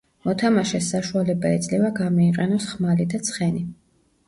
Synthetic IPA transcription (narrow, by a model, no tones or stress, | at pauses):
mɔt̪ʰamaʃɛsːaʃualɛbaɛt̪sʼlivaɡamɔiqʼɛnɔsχmalid̪at̪sʰχɛni